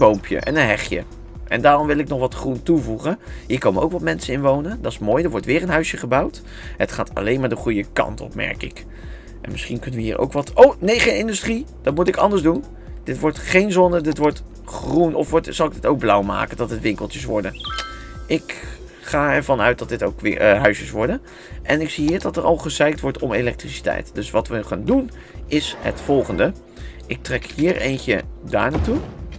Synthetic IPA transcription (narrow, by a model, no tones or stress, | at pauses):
bowmpʰjə̰ʔɛ̰nənɦɛχjə̰ | ʔɛ̰ndaːrɔmʋɪlˠɪknɔχʋɑtχruntuvuχənɦiːɹkowmənoʊwkʋɑtmɛnsəɪnʋownəndɑɪsmoːjdəɹʋɔɹtʋɪːɹənɦœɥsjəχəbɑwt | hətχa̰ːtɑ̰lejnmaːɹdəχujəkɑ̰ntɔ̰pmɛ̰ɹkɪ̰k | ʔɛ̰nmɪsχinkɵnəʋəɦiːɹʔo̰wkʋɑtownejχenɪndystrid̥ɑtmutɪkɑ̰ndəɹzdun | d̥ɪtʋɔɹtχejnzɔnədɪtʋɔɹt | χrunʔɔ̰fʋɔtz̥ɑlˠɪk̚dɪtowɡ̚blʌwma̰ːkəndɑtətʋɪŋkəlˠtəsʋɔ̰ɹdənʔɪk | χaːɛɹvɑnœɥt̚dɑt̚dɪto̰wkʋɪ̰ɦœɥsəsʋɔɹdən | ʔɛnɪksiɦiːɹdɑtərɑ̰lˠχəszɛjk̚tʋɔɹtɔmelɛk̚trisi̥tɛ̰jtdɵsʋɑtʋəχa̰ːndun | ɪshə̰tfɔlˠχəndə | ʔɪk̚trɛkhiːɹejncə̰da̰ːɹnaːtu